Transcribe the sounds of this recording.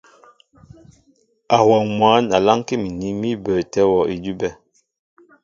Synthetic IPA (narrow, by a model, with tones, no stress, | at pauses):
a˨wɔ˨ŋmwa˨˦na˨la˦ŋ˦ke˦mi˨ni˦mi˦bə˨tɛ˦wɔ˨ʔi˨d͡ʒu˦bɛ˦